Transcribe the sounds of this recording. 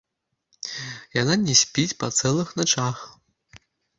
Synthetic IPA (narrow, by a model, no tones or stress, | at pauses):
jananʲɛsʲpʲit͡sʲpɐt̪sɛlˠɨxnat͡ʂax